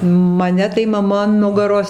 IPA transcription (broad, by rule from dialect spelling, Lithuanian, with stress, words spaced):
mɐˈnʲɛ tɐɪ mɐˈmɐ ɐn ˈnʊɡɐroːs